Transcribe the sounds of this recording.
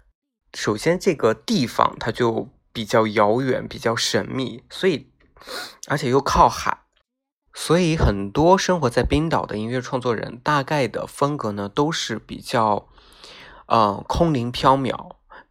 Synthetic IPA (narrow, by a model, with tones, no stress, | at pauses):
ʂo˨˩ʊɕjɛ˥nʈ͡ʂɤ˥˩ɡə˩t̪i˥˩fɑ̰˨˩ŋt̪ʰa˥t͡ɕjo˥˩ʊ | pi˨˩t͡ɕjɑ˥˩ʊjɑ˧˥ʊɥɛ̰˨˩˥npi˨˩t͡ɕjɑ˥˩ʊʂə˧˥nmi˥˩swɔ˧˥i˨˩ | ə˞˧˥t͡ɕʰjɛ˨˩jo˥˧ʊkʰɑ˥˩ʊxa̰˨˩˦ɪ | swɔ˧˥i˧˥xə˨˩nt̪wɔ˥ʂɤ˥ŋxwɔ˧˥t͡sa˥˩ɪpi˥ŋt̪ɑ˨˩ʊd̪ə̰˦i˧˥nɥɛ˥˧ʈ͡ʂʰwɑ˥˧ŋt͡swɔ˥˩ɻə̰˧˥nt̪a˥˧ka˥˩ɪd̪ə̰˩fə˥nkɤ˧˥nə˧t̪o˥ʊʂɻ̩˥˩pḭ˨˩t͡ɕjɑ˥˩ʊ | ə˧kʰʊ˥ŋli˧˥ŋpʰjɑ˥ʊmjɑ̰˨˩˦ʊ